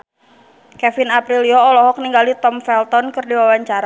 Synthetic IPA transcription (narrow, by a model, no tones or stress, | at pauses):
kɛfɪnapɾiliɔːlɔɦɔk̚niŋɡalit̪ɔmfɛlt̪ɔnkɨrdiwawaɲt͡ʃaɾa